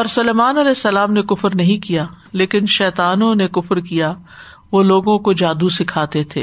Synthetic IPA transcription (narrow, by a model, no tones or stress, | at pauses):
ɔːɾsʊlɛːmaːnɐlɛːsːɐlaːmnekʊfɾnɐɦĩkija | leːkɪnʃɛːt̪aːnõnekʊfɾkija | ʋoːloːɡõkod͡ʒaːd̪usɪkʰaːt̪et̪ʰḛː